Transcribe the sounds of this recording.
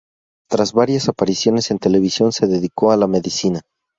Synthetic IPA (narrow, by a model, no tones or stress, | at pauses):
t̪ɾazβaɾjasapaɾisjo̞ne̞se̞nt̪e̞le̞β̞isjo̞nse̞ðe̞ðiko̞alame̞ðisina